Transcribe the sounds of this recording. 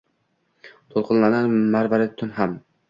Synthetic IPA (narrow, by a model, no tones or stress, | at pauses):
t̪ʰolˠqʰɨnlananmaɾvaɾɪt̪ʰʊnham